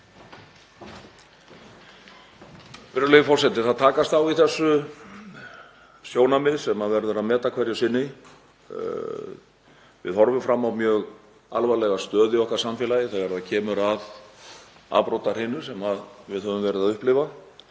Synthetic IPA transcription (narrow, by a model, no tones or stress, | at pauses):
vɪɾʏlejʏfɔr̥sɛt̪ɪθaðt̪ʰaːkast̪awiθɛsːʏ | sjoːwnamɪðsɛmaðvɛɾðʏɾaðmɛːt̪akʰvɛɾjʏsɪnːɪ | vɪ̰ðhɔɾvʏmfɾamːawmjœːɣ | alvalɛɣḁst̪œːðɪɔhkaɾsamfjɛːlajɪθaɛɾðacʰɛːmʏɾav | a̰ːpɾowt̪aɾ̥hɪnːʏ̥sɛmaðvɪðhœvʏmvɛːɾɪðaðʏhplɪva